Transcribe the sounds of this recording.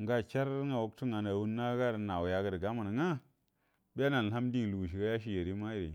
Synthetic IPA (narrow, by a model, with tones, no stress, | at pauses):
ŋɡa˦t͡ʃa˦ɾŋa˨wo˦ktu˦ŋa˨na˨wu˦nː˦a˦ɡa˦ɾna˨wu˨ja˨ɡə˨də˨ɡa˦ma˨n˨ŋa˦ | bi˦a˦na˨˦ha˦m˦di˦ŋ˨lu˨ɡu˨ʃ̬i˨ɡa˦ja˦ʃ̬i˦je˨ɾi˦ma˦ji˦˨ɾḭ˨